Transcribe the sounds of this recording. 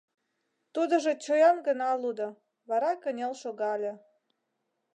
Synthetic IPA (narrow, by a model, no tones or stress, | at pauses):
t̪ud̪ə̆ʒə̆t͡ɕojɑmɡənɑlud̪ə̆ | βɑɾɑkənʲelʃoɣɑlʲĕ